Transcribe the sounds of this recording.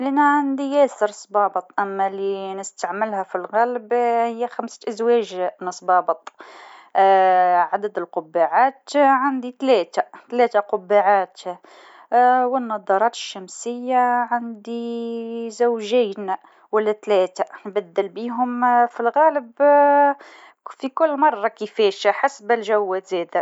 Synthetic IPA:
lænaʕand̪ijæsəɾsˤbɑːbət̪ˤʔæmːælinəst̪aʕməlhæfilɣælbhəjːæxamsʔəzwæʒnəsˤbɑbət̪ˤ | ʕad̪əd̪əlqʊbːaʕat̪ʕand̪it̪læt̪at̪læt̪aqʊbːaʕat̪ | wənːɑd̪ˤɑɾˤɑt̪ə̥ʃːæmsəjːaʕand̪i | zæwʒijn | wælːæt̪læːt̪anbæd̪ːəlbiɦʊmfilɣæləb | fikʊlːmɑrˤːɑkəfæʃħasbəlʒæwːæt̪zæd̪a

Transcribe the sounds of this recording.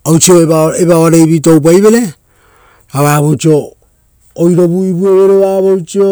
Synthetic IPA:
ojt͡ʃio̞eβaeβaβaɾe̞jβito̞wp̬ajβe̞ɾe̞ | aβaβot͡ʃio̞ː | jɾo̞βuiβueβeɾeβaβojt͡ʃio

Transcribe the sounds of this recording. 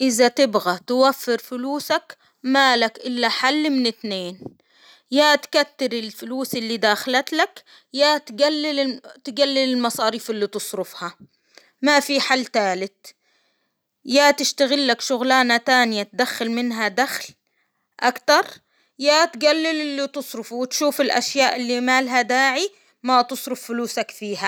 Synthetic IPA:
ʔɪzat̪ɪbɣat̪ɪwafːɪɾfʊluːsak | malakʔɪlːaħalːmɪnɪt̪neːn | jaːt̪kat̪ːɪɾɪlfʊluːsʔɪlːid̪aːxɪlat̪lak | jaːt̪ɡalːɪlɪt̪ɪɡalːɪlɪlmɑsˤɑːɾiːfɪlːit̪ɨsˤɾʊfha | mafiħalːt̪aːlɪt̪ | jaːt̪ɪʃt̪aɣɪlːakʃʊɣlaːnat̪aːnɪjat̪ad̪axːalmɪnɦad̪axl | ʔakt̪ɑɾˤ | jaːt̪ɡalːɪlɪlːit̪ɨsˤɾɪfuwɪt̪ʃuːfɪlʔa̰ʃjaːʔɪlːimaːlɦad̪aːʕi | mat̪ɨsˤɾʊfːʊluːsakfiːha

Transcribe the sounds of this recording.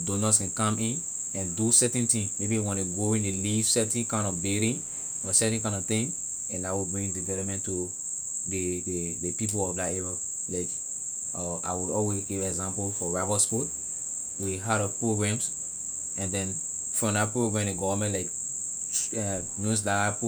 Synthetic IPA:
donaskɛ̃nkãmĩn | ɛ̃ndusɛtĩntĩŋmebiwɔ̃nuɡoĩndeliv̥sɛtĩnkãɪ̃ndɔvbɛɾĩŋ | ɔsɛtkãɪ̃ndɔvt̪ĩŋ | ɛ̃nawibɹĩŋdivɛlɔp̚mɛ̃ntu | dedepip̬olɔfdatɛvɛ | laɪk | ɔʔa̰ɪwudɔlwezɡivɛɡzãmpolfɔɹavɔspɔt̚ | wiɦaɾɔvpɹoɡɹãms | ɛ̃ndɛ̃n | fɹɔ̃mdapɹoɡɹãmdeɡɔvəmɛ̃nlaɪk | nos̬datap

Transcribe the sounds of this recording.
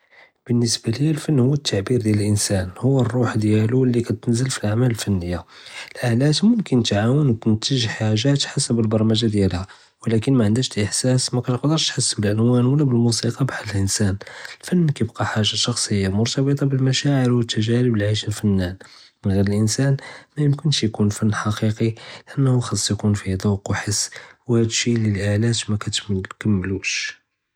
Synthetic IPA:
b̥ənːəsbalilfənːhʊwːət̪ʰːaʕbiɾd̪jæləlʔənsænhʊwːərˤːuħd̪jælulːikæt̪ənzəlfilʔaʕmæləlfænːəjːaəlʔalæt̪mʊmkənt̪ʕawənwt̪ənt̪əʒħaʒat̪ħasəbəlbɑɾˤɑmæʒad̪jælhæ | wəlækənmæʕənd̪æʃt̪ʔəħsæsmækæt̪qd̪əɾˤʃt̪ħəsːbəlʔənwænwəlːæbəlmusiqɑbaħllʔənsænəlfænːkæjbqɑħaʒːaʃɑxsˤəjːamʊɾt̪ɑbət̪ˤɑbəlmæʃaʕəɾwət̪ːæʒæləbəlʕiʃəlfənːæn | mənɣiɾəlʔənsænmæjəmkənʃjkunfænːħɑqiqilʔənːhuxɑsˤːjkunfid̪ɑquħəsːwhæd̪ʃiləlʔalæt̪mækæt̪kæmːəluʃ

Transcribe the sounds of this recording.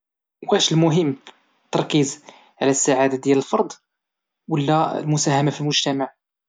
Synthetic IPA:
wæʃlmʊɦəmː | t̪ːɑɾˤkiz | ʕlæsːaʕad̪ad̪jæləlfɑɾˤd̪ˤ | wəlːælmʊsæhæmafilmʊʒt̪æmaʕ

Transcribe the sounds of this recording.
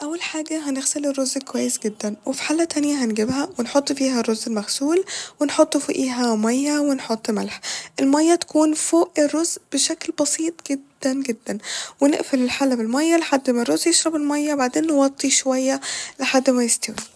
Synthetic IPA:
ʔæwːælħaːɡæɦænɪɣselerːozkowæjːesɡed̪ːænwefi̥ħaːlːæt̪ænjæɦænɡebɦæwenħot̪ˤːfiːhærːozʔelmæxsuːlwenħot̪ˤːfoʔiːɦæmæjːæwenħot̪ˤːmælħʔelmɑjːæt̪æ̥kuːnfoːʔʔerːozʔb̥eʃæklbɑsiːt̪ˤɡed̪ːænɡed̪ːænwenḛʔfelɪlħaːlæbelmɑjːæleħad̪ːmærˤːozʔjeʃɾˤɑbelmɑjːæbaʕd̪eːnːewɑt̪ˤːiʃowæjːæleħad̪ːmæjest̪æwi

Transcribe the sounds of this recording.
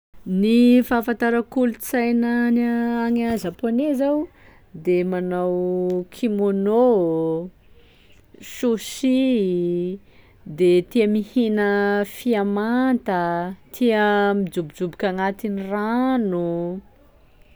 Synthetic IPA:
nifafant̪aɾəkulut͡sajnənaaŋazaponezaw | d̪emanawkʰimono | ʃusi | d̪et̪iəmihinəfiamant̪ət̪ʰiəmid͡ʒubid͡ʒubikʲaŋat̪iniranu

